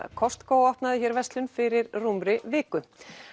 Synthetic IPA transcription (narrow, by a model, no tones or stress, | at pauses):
kʰɔst̪koːwɔhpnaðɪçɛɾvɛst̪lʏnfɪɾɪɾrumɾɪvɪːkʏ